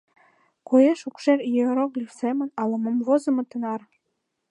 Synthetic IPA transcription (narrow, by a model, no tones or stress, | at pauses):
kojeʃukʃerjøɾoɣlʲifsemə̆nɑlɤ̆mɤmvozɤ̆mɤ̆t̪ə̆nɑr